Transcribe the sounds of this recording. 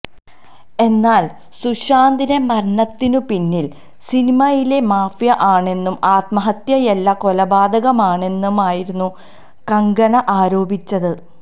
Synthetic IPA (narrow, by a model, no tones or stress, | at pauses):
e̞nːaːl | suɕaːnd̪inemɐɾɳɐt̪ːinupinːil | sinimɐjile̞maːfjɐʔaːɳe̞nːumaːt̪mɐɦɐt̪jɐjelːɐko̞lɐbaːd̪ɐɣɐmaːɳe̞nːumaːjiɾunːu | kɐŋɡɐnɐʔaːɾo̞ːbʱit͡ɕːɐðɨ